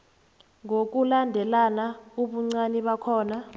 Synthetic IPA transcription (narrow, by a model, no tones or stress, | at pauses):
ŋok̬ulandʱɛlanauɓuŋ͡ǀaniɓakʰɔːna